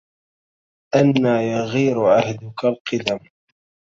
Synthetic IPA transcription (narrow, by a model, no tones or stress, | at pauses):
ʔanːaːjaɣiːɾʊʕahd̪ʊkalqɨd̪am